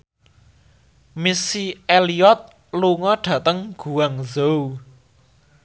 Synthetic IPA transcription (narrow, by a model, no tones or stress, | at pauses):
misieliɔt̪̚ | luŋɔɖ̥ä̤t̪əŋɡ̥uwaŋzow